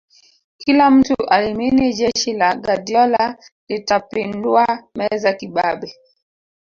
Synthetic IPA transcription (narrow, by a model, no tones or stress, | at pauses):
kilam̩tuʔalimined͡ʒɛʃilaɡadjɔla | litapenduamɛzakiɓaɓɛ